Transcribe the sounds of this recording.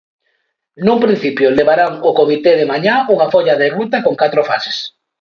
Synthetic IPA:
numpɾin̟θipjoleβaɾaŋokomit̪eðemaɲauŋafoʎaðerut̪akoŋkat̪ɾofase̥s

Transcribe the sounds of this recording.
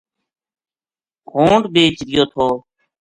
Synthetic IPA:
kõːɳɖɓeːt͡ʃɾɪjoːt̪ʰoː

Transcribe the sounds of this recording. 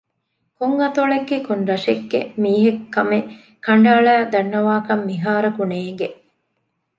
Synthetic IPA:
kuŋːɐt̪oɭeɡːekunɾɐʃeɡːemiːɦekːɐme | kɐɳɖaːɭæːd̪ɐnːɐʋaːkɐmːiɦaːɾɐkuneːŋɡe

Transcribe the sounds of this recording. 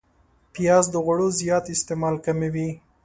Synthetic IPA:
pijɑzd̪əɣaɽozijɑt̪ɪst̪emɑlkamewi

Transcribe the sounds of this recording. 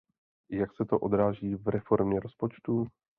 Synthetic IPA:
jaksɛt̪oʔo̞d̪ɾaːʒiːvɾɛfo̞ɾmɲɛɾo̞spo̞t͡ʃt̪u

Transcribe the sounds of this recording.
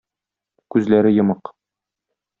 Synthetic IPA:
kʉzlæɾɘjɤ̆mɤq

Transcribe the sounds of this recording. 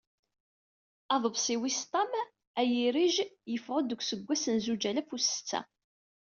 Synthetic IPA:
ɑðˤəvsiwist̪ˤɑm | æjiɾiʒjəfʁəd̪əɡʷsəɡʷːæsənzud͡ʒælæfusə̥t͡sːæ̰

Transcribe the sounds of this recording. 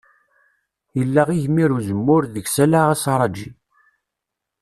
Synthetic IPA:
jəlːaʁiʝmiɾuzəmːʊɾðəɡsælaʁæsɑɾˤɑd͡ʒi

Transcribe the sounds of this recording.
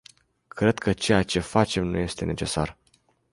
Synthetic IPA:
kɾe̞d̪kʰət͡ʃe̞jat͡ʃe̞fat͡ʃe̞mnuje̞st̪e̞ne̞t͡ʃe̞sa̰r

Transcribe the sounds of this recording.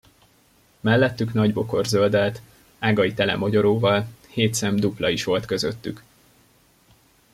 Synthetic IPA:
mɛlːɛt̪ːyknɒɟbo̞ko̞rzøld̪ɛlt̪ | aːɡɒit̪ɛlɛ̰mɒɟo̞ɾoːvɒlheːt̪sɛmd̪uplɒiʃʋo̞lt̪kø̞zøt̪ːyk

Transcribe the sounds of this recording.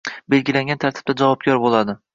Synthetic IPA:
be̞lɡʲɪlaŋɡʲant̪ʰaɾt̪ʰɪ̥b̚d̪ad͡ʒavɒb̚ɡʲɒɾbolˠad̪ɪ

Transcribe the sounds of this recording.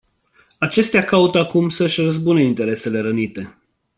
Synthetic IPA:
at͡ʃe̞st̪eakaut̪əakumsəɨʃʲrəzbuneint̪e̞ɾe̞se̞le̞ɾənit̪e̞

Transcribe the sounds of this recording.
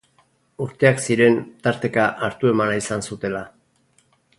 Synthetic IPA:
uɾt̪e̞aksiɾe̞nt̪aɾt̪e̞kaʔaɾt̪ue̞manaisansut̪e̞la

